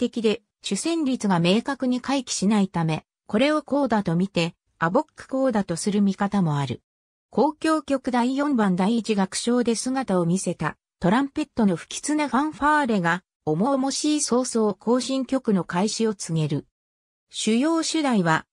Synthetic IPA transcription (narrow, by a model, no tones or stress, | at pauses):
t̪e̞kʲid̪e̞ | ɕɨsẽ̞ɲɾʲit͡sɨɡame̞ːkakɯ̟ɲ̟ikʰaikʲi̥ɕinait̪ame̞ | ko̞ɾe̞o̞ko̞ːd̪at̪o̞mʲit̪e̞ | abo̞kːɯ̟̥ko̞ːd̪at̪o̞sɨɾɯ̟mʲikat̪amo̞aɾɯ̟̰ | ko̞ːkʲo̞ːkʲo̞kɯ̟d̪aijõ̞mbãnd̪aiit͡ɕiɡakɯ̟̥ɕo̞ːd̪e̞sɨɡat̪ao̞mʲise̞t̪a̰ | t̪o̞ɾãmpe̞t̪ːo̞no̞ɸɯ̥kʲi̥t͡sɨnaɸãɰ̃ɸaːɾe̞ɡa | o̞mo̞mo̞ɕiːso̞ːso̞ːkʰo̞ːɕĩŋkʲo̞kɯ̟no̞kaiɕio̞t͡sɨŋe̞ɾɯ̟ | ɕɨjo̞ːɕɨd̪aiβa